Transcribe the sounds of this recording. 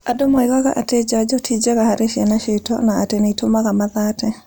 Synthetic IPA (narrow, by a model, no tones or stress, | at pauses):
adomoiɣaɣa̰ʔated͡ʒad͡ʒɔtʰid͡ʒɛɣahaɾeʃiɛnaʃetɔ̰naateneitomaɣamaðatɛ